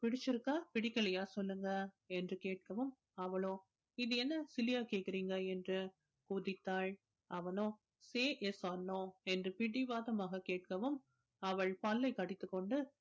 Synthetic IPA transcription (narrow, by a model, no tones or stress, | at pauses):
pɪɽɪt͡ʃːɪɾɯkːaːpɪɽɪkːɐɭɐjaːsɔlːɯŋɡɐ | ɛndrɯkeːʈ̚kɐʋɯm | ɐʋɐɭõː | ɪðɯɛnːɐsɪlɪjaːkeːʈkɪɾiːŋɡɐɛndrɯ | kuːðɪt̪ːaːɭ | ʔɐʋɐnõː | seːʔɛsanːõːɛndrɯpɪɽɪʋaːðɐmaːɣɐkeːʈ̚kɐʋɯm | ɐʋɐɭpaːlːɐɪkɐɽɪt̪ːɯkːɔɳɖɯ